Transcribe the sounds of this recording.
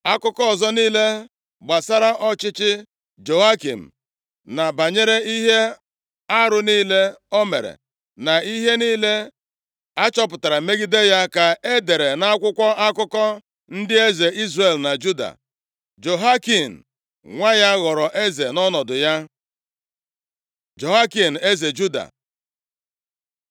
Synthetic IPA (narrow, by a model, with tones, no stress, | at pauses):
a˦kʊ˦kɔ˦ɔ˨zɔ˦niː˦le˦ | ɡ͡ba˨sa˦ɾa˦ʔɔ˦t͡ʃɪ˦t͡ʃɪ˦ | d͡ʒo˨a˦kḭ˨m̩˨ | na˨ba˨ɲe˦ɾe˦i˦ɦe˦ | a˦ɾʊ˨niː˦le˦ɔ˦me˨ɾḛ˨ | na˨i˦ɦe˦niː˦le˦ | a˦t͡ʃɔ˦p̬ʊ˨ta˨ɾa˨me˦ɡi˦de˦ja˦ka˨e˦de˨ɾe˨na˦kʷʊ˦kʷɔ˦a˦kʊ˦kɔ˦ | n̩˦dɪ˦e˦ze˨i˦zre˨lna˨d͡ʒu˦da̰˨ | d͡ʒo˨ɦa˦ki˨n̩˨ | ŋʷa˦ja˦ɣɔ˨ɾɔ˨ʔe˦ze˨nɔ˦nɔ˨dʊ˨ja˦ | d͡ʒo˨ɦa˦ki˨n̩˨e˦ze˨d͡ʒu˦da̰˨